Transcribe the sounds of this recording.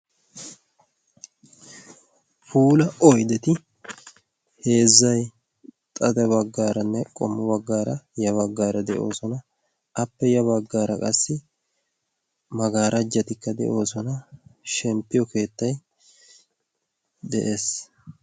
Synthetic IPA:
fuːlɐʔɔjd̪ɛt̪ɪ | he̞ːzːɐj | t̪ʼɐd̪ɐβɐɡːaːɾɐnːɛkʼɔ̰mːɐbɐɡːaːɾɐjɐβɐɡːaːɾɐd̪ɛʔo̞ːsɔnɐ | ʔɐpːɛjɐβɐɡːaːɾɐkʼɐsːɪ | mɐɡaːɾʔɐd͡ʒːɐt̪ɪkːɐd̪ɛ̰ʔo̞ːsɔnɐʃɛmpːɪjɔke̞ːt̪ːɐj | d̪ɛʔe̞ːs

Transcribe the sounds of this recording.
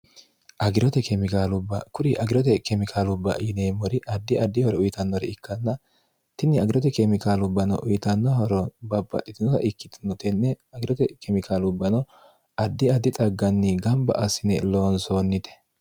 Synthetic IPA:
ʔɐɡɪɾɔt̪ɛkɛmɪkaːlʊbːɐkʊɾɪʔɐɡɪɾɔt̪̬ɛkɛmɪkʰaːlʊbːɐ̰ʔɪneːmɔɾɪʔɐd̪ːɪɐd̪ːɪhɔɾɔʊjɪt̪ɐnːɔɾɛɪkːɐnːɐ | t̪ɪnːɪɐɡɪɾɔt̪ɛkɛmɪkaːlʊbːɐnɔ̰ʔʊjɪt̪ɐnːɔɦɔɾɔbɐbːɐ̰tːɪt̪ɪnɔt̪ɐ̰ʔɪkːɪ̥t̪nɔt̪ɛnːɛɐɡɪɾɔt̪ɛkɛmɪkʰaːlʊbːɐnɔ | ɐd̪ːɪɐd̪ːɪt̪ʼɐɡːɐnːɪɡɐmbɐ̰ʔɐsɪnɛlo̞ːnsoːnːɪt̪ɛ̥

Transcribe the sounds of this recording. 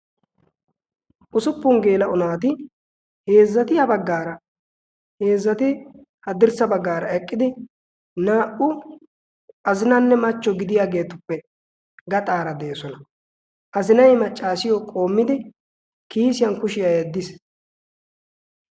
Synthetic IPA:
ʔʊsʊpːʊŋɡe̞ːlɐʔʊnaːt̪ɪ | he̞ːzːɐt̪ɪhɐbɐɡːaːɾɐ | he̞ːzːɐt̪ɪ | hɐd̪ɪɾsɐbɐɡːaːɾɐɛkʼːɪd̪ɪ | naːʔʊ | ʔɐzɪnɐnːɛmɐt͡ʃːɔɡɪd̪ɪjaːɡe̞ːt̪ʊpːɛ | ɡɐt̪ʼaːɾɐd̪eːsɔnɐ | ʔɐzɪnɐjmɐt͡ʃʼːaːsɪjɔkʼo̞ːmːɪd̪ɪ | kiːsɪjɐnkʊʃɪjajɛd̪ːɪs

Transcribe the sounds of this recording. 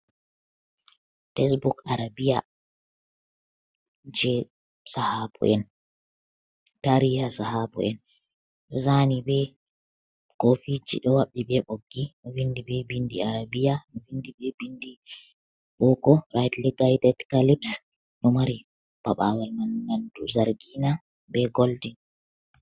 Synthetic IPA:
tɛsbukaɾabija | d͡ʒɛ | sahabɔ̰ʔɛn | taɾijasahabɔ̰ɛn | ɗɔzanibɛ | kofid͡ʒḭɗɔwaɓːibɛɓoɡːinɔvindibɛbindiaɾabijanɔvindibɛbindi | ɓɔkɔɾajtliɡajdɛtkalibs | nɔmaɾi | b̥aɓawalmannanduzaɾɡina | bɛɡɔldi

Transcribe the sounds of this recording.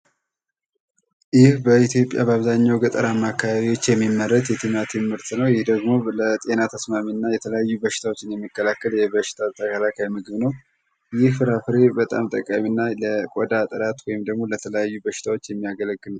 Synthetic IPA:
jɪhbəit̪ʰjo̞pʼːja̰bəaβzaɲːawɡət̪ʼəɾamːakʰːaβaβiwo̞t͡ʃːjɛmːimːəɾːət̪jɛt̪ʰimat̪ʰɨmːɨɾt̪nəwjɪhd̪əɡmo̞lət̪ʼe̞nat̪ʰəsmaminːajɛt̪ʰələjajːubəʃɪ̥t̪ʰawot͡ʃːɪnjɛmːikːəlakːəljɛβəʃɪ̥t̪ʰat̪ʰːəkəlakʰajmɨɡɨβnəw | jɪhfɨɾafɨɾebət̪ʼa̰mt̪ʼəkʼːaminːaləkʼɔd̪at̪ʼəɾat̪wɔjɪmd̪əɡmo̞lət̪ʰələjajːubəʃɪ̥t̪ʰawo̞t͡ʃːjɛmːijaɡələɡːɨl

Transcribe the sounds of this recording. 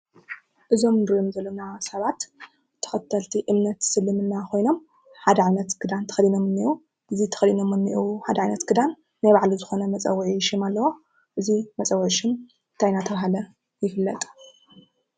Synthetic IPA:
ʔɨzo̞mɨnd̪ɾjomzɐlːɐnasɐβat̪ | t̪ʰːɐ̥xɐt̪ʰːɐlt̪ʰiʔɨmnɐt̪sɨlːɨmɨnːakʰo̞jno̞m | ħad̪ɐʕajnɐt̪ɡ̥ɨd̪ant̪ʰɐ̥xɐlino̞mɨnːiʔu | ʔɨzit̪ʰɐ̥xɐlino̞mɨnːiʔwuħad̪ɐʕajnɐt̪ɡ̥ɨd̪an | najβaʕlizɨxo̞nɐmɐt͡sʼɐ̰wːʕiʃimalːɐwo | ʔɨzimɐt͡sʼɐwʕʃɪn | t̪ʰajnat̪ʰɐβaɦalɐ | jɪfɨlːɐt̪ʼ

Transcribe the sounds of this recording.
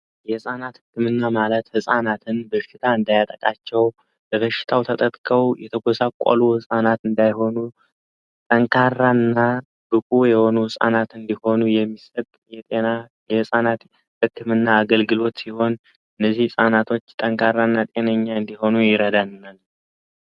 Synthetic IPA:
jɛhɨsʼanat̪hɨkːɨmɨnːamalət̪hɨsʼanat̪ʰɨnbəʃɪt̪ʰaɨnd̪ajat̪ʼəkʼat͡ʃːɛw | bəβəʃɪ̥t̪ʰawt̪ʰət̪ʼət̪ʼkʼəwjɛt̪ʰəɡʷɔsakʷʼa̰luhɨsʼanat̪ɨnd̪ajho̞nu | t̪ʼəŋkʰarːanːa | b̥ɨkʼujɛho̞nuhɨsʼa̰nat̪ɨnd̪iho̞nujɛmːisət̪ʼjɛt̪ʼenajɛhɨsʼanat̪ | hɨkːɨmɨnːaːɡəlɡɨlo̞t̪siho̞n | ɨnːəzːihɨsʼanat̪ʰo̞t͡ʃːt̪ʼəŋkʰarːanːat̪ʼe̞nəɲːaɨnd̪iho̞nujɪɾəd̪anːal

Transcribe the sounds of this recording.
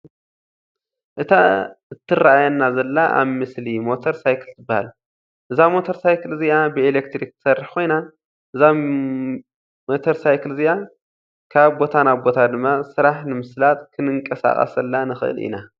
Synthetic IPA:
ʔɨt̪ʰaɨt̪ʰːɨraajanːazɐlːaʔa̰βmɨslimo̞t̪ʰoɾsajkʰɨlzɨbːahalu | ʔɨzamo̞t̪ʰoɾsajkɨlziabɨelekt̪ɾik̚tɨ̥sɐrːɨħkʰo̞jna | ʔɨza | mo̞t̪ʰoɾsajkɨlzia | kʰaβbo̞t̪ʰanaβbo̞t̪ʰad̪ɨmːasɨɾaħnɨmɨslat̪kʰɨnɨŋkʼɐsa̰χʼɐ̰sɐlːanɨxɨ̰ʔɨ̰lḭna

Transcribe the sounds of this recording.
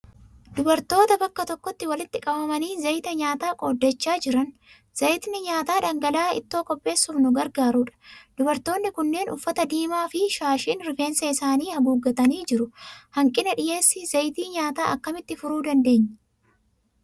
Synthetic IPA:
d̪ʊbɐɾt̪o̞ːt̪ɐbɐkːɐt̪ɔkːɔt̪ːɪwɐlɪt̪ːɪkʼɐbɐmɐniːzɐjt̪ɐɲaːt̪aːkʼoːd̪ːɛt͡ʃːaːd͡ʒɪɾɐn | z̥ɐjɪt̪nɪɲaːt̪aːᶑɐŋɡɐlaːɪ̰t̪ːo̞ːkʼɔpʼːe̞ːsːʊmnʊɡɐɾɡaːɾuːᶑɐ̥d̪̥ʊbɐɾt̪o̞ːnːɪkʊnːe̞ːnʔʊfːɐt̪ɐd̪iːmaːfɪʃaːʃiːnɾɪfe̞ːnsɐɪsaːniːhɐbuːɡːɐt̪ɐniːd͡ʒɪɾʊhɐŋkʼɪnɐᶑɪje̞ːsːɪzɐjt̪iːɲaːt̪aːʔɐkːɐmɪt̪ːɪfʊɾuːd̪ɐnd̪e̞ːɲː

